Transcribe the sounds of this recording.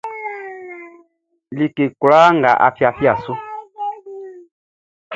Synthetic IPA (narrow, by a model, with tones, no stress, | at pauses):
li˨ke˨ku˨la˦ŋɡa̰˨ʔa̰˨fi˦a˨fi˦a˨su˦